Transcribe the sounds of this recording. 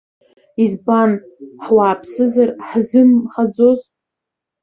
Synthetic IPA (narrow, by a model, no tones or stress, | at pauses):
izban | ħwaːpʰsɨzarħzɨnχad͡zoz